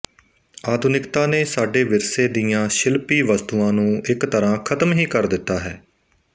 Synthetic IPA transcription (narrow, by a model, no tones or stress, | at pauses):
aːd̪ʊnɪkt̪aːneːsaːɖeːʋɪɾseːd̪ɪjãːʃɪlpiːʋəst̪uãːnũːʔɪkt̪əɾãːkʰət̪mɦiːkəɾd̪ɪt̪ːaːɦɛː